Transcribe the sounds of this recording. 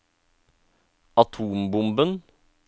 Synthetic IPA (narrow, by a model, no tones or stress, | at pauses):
ɑt̪ʰuːmbʊmbən